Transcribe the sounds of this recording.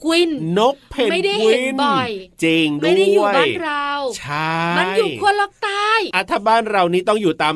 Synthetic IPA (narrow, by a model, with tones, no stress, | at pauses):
kwi˧nːo˦˥k̚pʰe˨˩ma˥˩da˥kʰwi˨˩˧nɔ˨˩jt͡ɕi˧ŋdu˥˩˨əjnɾa˧wt͡ɕʰa˥˩ma˧˩njuː˨ku˧lɔ˦˥˩k̚t̪aː˥˩jʔa˧˩t̪ʰaː˧˥baː˥˩nɾa˧wniː˦˥t̪ɔ˥˩ŋjuː˨˩t̪aː˧m